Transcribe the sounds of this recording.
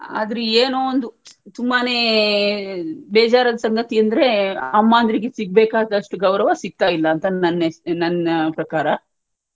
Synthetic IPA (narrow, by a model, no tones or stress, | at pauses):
a̰ːd̪ɐɾeeːnoːond̪ut̪umbane̞ː | bɛːd͡ʒaːɾɐd̪ɐsɐŋɡɐt̪iɐnd̪ɐɾe̞ɐmːaːnd̪ɾiɡesiɡ̚beːkaːd̪ɐʂʈuɡɐwɾɐʋasiɡ̚t̪aːjilːɐːnt̪ɐɐnːenɐnɐpɾɐkaːɾɐ